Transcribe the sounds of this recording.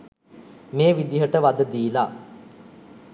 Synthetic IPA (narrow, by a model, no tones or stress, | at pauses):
meːʋid̪iɦəʈəʋad̪əd̪iːla